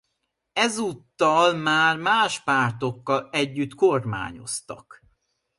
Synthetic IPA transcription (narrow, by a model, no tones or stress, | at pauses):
ɛzut̪ːɒlmaːrmaːʃpaːrt̪o̞kːɒlɛɟːyt̪korma̰ːɲo̞̰st̪ɒ̰k